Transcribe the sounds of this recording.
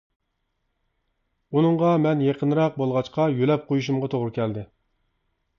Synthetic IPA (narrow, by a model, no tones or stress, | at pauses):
unɨɴʁɑmɛnjeqʰənɾɑq̚bolˠʁɑt͡ʃqʰɑjølɛp̚qʰojuʃ̬umʁɑt̪ʰoʁɾɨkʲʰɛld̪ɪ